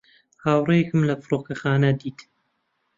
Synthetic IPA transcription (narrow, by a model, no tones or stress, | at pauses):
haːwrejekɨmlɐfɨɾokɐxaːnɐd̪iːt̪